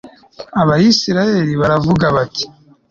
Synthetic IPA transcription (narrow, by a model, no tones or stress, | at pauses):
aβajisiɾaje̞ɾiβaɾavuɡaβati̥